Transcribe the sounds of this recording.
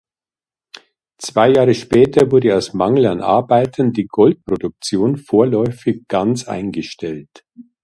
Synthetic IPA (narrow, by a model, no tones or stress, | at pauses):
t͡sv̥aɪjaːʁəʃpɛːtɐvʊɐdəaʊsmaŋl̩anʔa̰ɐbaɪtʰəndiːɡɔlt̚pʁ̥odʊk̚t͡sjoːnfoːɐlɔʏfɪçɡ̥ant͡sʔa̰ɪnɡəʃtɛlt